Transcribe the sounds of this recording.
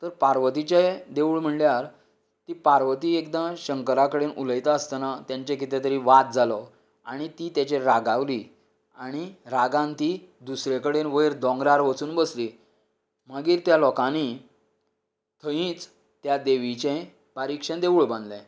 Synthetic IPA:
t̪əɾpaɾʋət̪it͡ɕed̪eʋuɭm̤əɳljaɾ | t̪ipaɾʋət̪iːekd̪ə̃ɕəŋkəɾakəɽenʔuləjt̪aəst̪anat̪jaɲt͡ɕekit̪ɛ̃t̪əɾiːʋat̪̚d͡zalɔ | a̰ɽ̃it̪it̪jat͡ɕeɾaɡaʋliː | aɽ̃iɾaɡãnt̪id̪usɾekəɽenʋəjɾd̪ɔ̃ŋɡɾaɾʋət͡suːnbəsliː | məɡiːɾt̪jalɔkãni | t̪ʰəjĩːt͡s | t̪jad̪eʋit͡ɕẽ | baɾikʂəɳd̪eʋuɭbãnd̪lɛ̃

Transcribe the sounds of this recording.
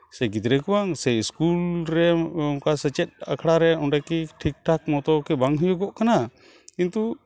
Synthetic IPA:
sɛɡid̪ɾɛkuwaŋsɛiskulɾɛɔŋkasɛt͡ʃɛt̪̚a̰kʰɽaɾɛɔnɖɛkiʈʰik̚ʈʰak̚mɔt̪ɔkɛbaŋɦujɔɡɔʔkana | kint̪u

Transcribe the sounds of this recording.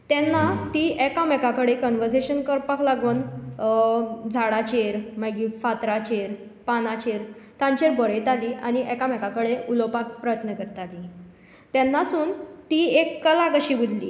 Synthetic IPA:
t̪ɛnːat̪iɛkamɛkakəɽekɔnʋəɾseɕənkəɾpaklaɡuːn | d͡zʱaɽat͡ɕeɾmaɡiːfat̪ɾat͡ɕeɾ | panat͡ɕeɾt̪ãɲt͡ɕeɾbɔɾəjt̪aliːʔañiʔɛkamɛkakəɽeulopakpɾəjət̪nəkəɾt̪ali | t̪ɛnːasuːnt̪iekːəlakəɕiːbud̪lḭː

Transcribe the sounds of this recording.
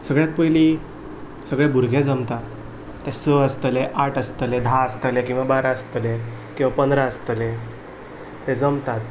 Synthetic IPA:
səɡɭjat̪̚pəjli | səɡɭɛbuɾɡʱẽd͡zəmt̪at̪ː | ɛsəəst̪əleʔaʈəst̪əled̪ʱãəst̪əlekĩw̃ʋabaɾaəst̪əle | kĩw̃ʋapənd̪ɾaəst̪əle | t̪ɛd͡zəmt̪at̪

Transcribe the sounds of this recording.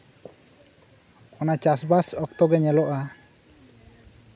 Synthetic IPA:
ɔnat͡ʃasbasɔk̚t̪ɔɡɛɲɛlɔʔa

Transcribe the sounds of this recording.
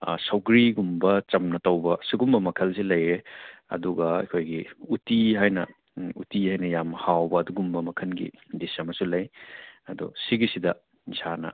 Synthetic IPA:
sɐwɡɾiɡumbɐt͡ʃɐmnɐtɐwbɐsiɡumbɐmɐkʰɐls̬ilɐjɾeɐ̰duɡɐɐ̰jkʰojɡiutiɦajnɐ̰ | utihajnɐjamhawbɐːduɡumbɐmɐkʰɐnɡḭdisɐmɐsulɐjɐdɔ̰siɡisidɐ | zanɐ̰

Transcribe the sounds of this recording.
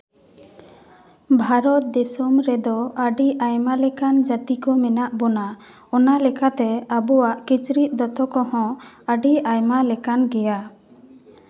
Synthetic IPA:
bʱaɾɔt̪̚d̪ɛsɔmɾɛd̪ɔaɖiʔajmalɛkand͡ʒat̪ikɔmɛnaʔbɔna | ɔnalɛkat̪ɛabɔwaʔkit͡ʃɾit̪̚ˀd̪ɔt̪ɔkɔhɔ̃aɖiajmalɛkanɡɛja

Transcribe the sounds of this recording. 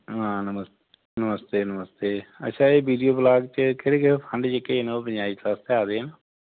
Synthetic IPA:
ɦãːnəməst̪ | nəməst̪eːnəməst̪eːə̰ːʃʰãːeːbiːɖijoːblaːɡt͡ʃəkeɾẽːkepʰə̃ɳɖd͡ʒɪkːeːnõːpə̃ɲd͡ʒaːiːklaːst̪eaːd̪eːna

